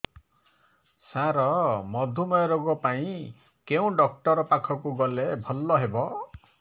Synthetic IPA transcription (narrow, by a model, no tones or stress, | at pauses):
saɾɔmɔd̪ʱumɔjɔɾoɡɔpaĩ | keũɖɔk̚ʈɔɾɔpakʰɔkuɡɔlebʱɔlːɔɦebɔ